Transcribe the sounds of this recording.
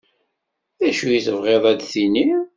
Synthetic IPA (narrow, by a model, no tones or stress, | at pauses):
ðæʃujiθəvʁeðˤæd̪θini